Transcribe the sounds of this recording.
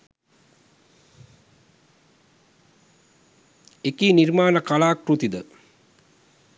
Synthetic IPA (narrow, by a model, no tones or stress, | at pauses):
ekiːnirmaːnəkalaːkɾut̪id̪ə